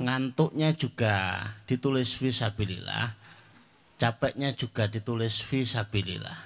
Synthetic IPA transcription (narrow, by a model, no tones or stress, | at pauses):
ŋant̪ʊʔɲḁd͡ʒuɡ̥ad̥it̪ulɪsfisab̥ilḭla̰h | t͡ʃapɛʔɲad͡ʒ̥uɡ̥adit̪ulɪsfisab̥ilḭla̰h